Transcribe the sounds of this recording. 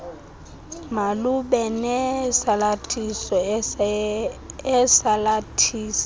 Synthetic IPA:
maluɓɛnɛsalatʰisɔ | ɛsalatʰiːsḁ

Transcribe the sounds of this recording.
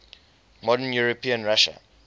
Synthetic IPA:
mɔdənjuɹopĩə̃nɹaʃə̰

